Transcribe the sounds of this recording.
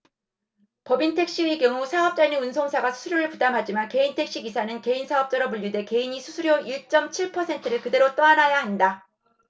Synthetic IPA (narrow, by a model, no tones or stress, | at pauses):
pʌbintʰe̞k̚ɕ͈iwɥikjʌŋusʰaʌp̚t͡ɕ͈aineunsʰoŋsʰaɡasʰu̥sʰuɾjoɾɯɭpudamɦad͡ʑimanke̞intʰe̞k̚ɕ͈iɡisʰanɯnke̞insʰaʌp̚t͡ɕ͈ʌɾʌmuʎːude̞ke̞iɲisʰusʰuɾjoiɭt͡ɕ͈ʌmt͡ɕʰiɭpʰʌsʰe̞ntʰɯɾɯɭkɯde̞ɾot͈ʌanajaɦanda